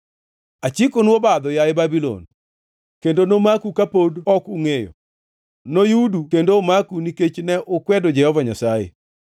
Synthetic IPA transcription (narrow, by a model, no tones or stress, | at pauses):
at͡ʃikonwobad̪ɔjaɪbabilo̰n | kendonomakukapodɔkuŋejɔ̰ | nojudukendomakuniket͡ʃnɛʔokwɛdod͡ʒɛhɔvaɲasajḛ